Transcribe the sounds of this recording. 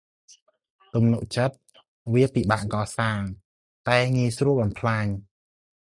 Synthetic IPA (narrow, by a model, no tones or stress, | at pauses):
t̪umnuʔt͡ɕət̪̚ | ʋiəpiɓaːʔkɑːsaːŋ | t̪aɛŋiəjsruəlɓɑnpʰlaːɲ